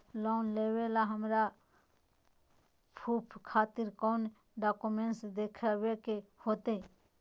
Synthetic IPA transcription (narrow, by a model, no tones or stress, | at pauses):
lɔːnleːwelaɦəmɾa | pʰupʰkʰaːt̪ɪɾkɔːn | ɖaːkumeɳʈsd̪eːkʰəwekehoːt̪e